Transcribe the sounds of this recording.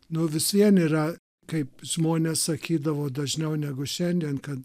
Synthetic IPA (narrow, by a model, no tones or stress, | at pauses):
nʊʋʲɪsiɛniːɾɐ | kɐɪpʒ̥moːnʲeːssɐkʲiːd̪ɐʋoːd̪ɐʒʲnʲɛʊnʲæːɡʊʃʲɛnʲd̪ʲiɛnkɐt̪